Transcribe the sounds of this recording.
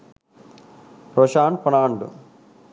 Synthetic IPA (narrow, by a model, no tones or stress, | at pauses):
pɾoʃaːɳ̚pɐnaːɳɖṵ